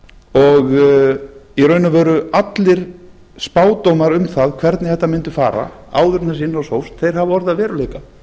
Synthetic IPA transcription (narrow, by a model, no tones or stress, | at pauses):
ɔɣ | iɾœːɥnavœːɾʏat̪lɪɾ̥ | spaːwt̪owmaɾʏmθaðkʰvɛɾt̪nɪθɛht̪ːamɪnt̪ʏfa̰ːɾa̰a̰ːwðʏɾnasɪnːɔsowst̪θejɾ̥havɪɔɾðɪaðvɛːɾʏleːjka